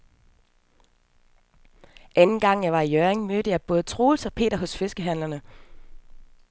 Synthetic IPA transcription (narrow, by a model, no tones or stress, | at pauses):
ʔænn̩ɡ̥ɑ̈ŋ̰jɑ̈ɪʋɑ̈ijœɐʁeŋmød̥əjɑ̈ɪb̥ɔ̽ːð̞̩ˠət͡sʰʁo̝ːlsɒ̽pʰe̝̰ːdɐɦɔ̽sfe̝sɡ̥əɦæn̰lɐnə